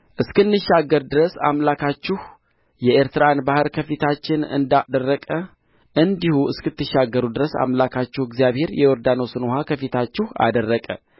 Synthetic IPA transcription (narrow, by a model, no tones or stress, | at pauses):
ʔɨskɨnːɨʃːaɡːəɾd̪ɨɾəsa̰mlakʰat͡ʃːɪh | jɛeɾt̪ɨɾanbahɨɾkʰəfit̪ʰat͡ʃːɪnɨ̰nd̪ad̪ərːəkʼə | ʔɨnd̪ihuɨskɨt̪ːɨʃːaɡːəɾud̪ɨɾəsa̰mlakʰat͡ʃːɪhɨɡzijaβhe̞ɾjɛwɔɾd̪anosɨnoɦakʰəfit̪ʰat͡ʃːɪha̰d̪ərːəkʼə̰